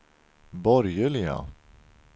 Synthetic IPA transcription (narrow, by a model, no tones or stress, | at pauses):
bɔɾjəlɪa̰